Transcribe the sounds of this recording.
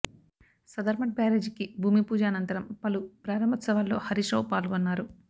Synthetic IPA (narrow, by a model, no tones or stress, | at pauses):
sɐd̪ɐɾmɐʈ̚baːɾeːd͡ʒkibʱuːmipuːd͡ʒaːnɐnt̪ɐɾɐmpɐlupɾaːɾɐmbʱɐt̪sɐʋalːo̞̰ːhɐɾiʂɐwpaːlɡonːaːɾu